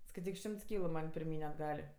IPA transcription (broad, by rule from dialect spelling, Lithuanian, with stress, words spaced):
skɐɪˈtʲiːk ˈʃʲɪmts ˈkʲiːlˠʊ mɐnʲ pʲɪrʲˈmʲiːnʲ ɐdˈɡɐlʲ